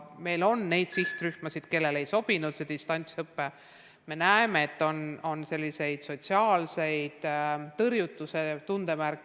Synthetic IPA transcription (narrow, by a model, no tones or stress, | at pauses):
me̞jlo̞nːe̞jd̪siht̪ryhmɑsid̪̥ke̞lːe̞le̞jso̞b̥inud̪̥sed̪̥ist̪ɑnʲt̪sɤpːe | me̞næemeet̪ːˑo̞no̞nse̞lːise̞jd̪̥so̞t̪ʲsiɑːlse̞jd̪̥t̪ɤrjut̪ːˑuse̞t̪und̪̥e̞mærkːˑ